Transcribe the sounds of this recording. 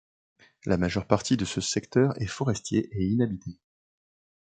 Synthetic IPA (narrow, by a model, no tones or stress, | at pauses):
lamaʒœʁpaʁt̪id̪əsəsɛkt̪œʁɛfɔʁɛst̪jeʔeinabit̪ʰe